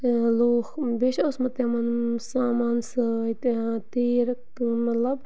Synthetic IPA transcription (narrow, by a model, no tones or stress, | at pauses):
loːxbeʃɐsmɐt̪amɐnsaːmaːnsɨit̪at̪eːɾɐk̚t̪mɐt̪lɐb